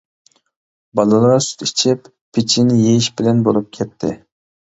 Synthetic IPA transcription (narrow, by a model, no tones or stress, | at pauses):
bɑlˠɑlˠɑɾɑsy̥t̪it͡ʃʰɪp | pʰːɪt͡ʃʰinɪjejiʃbɪlɛnbolˠup̚kʲʰɛt̪ʰːɪ̰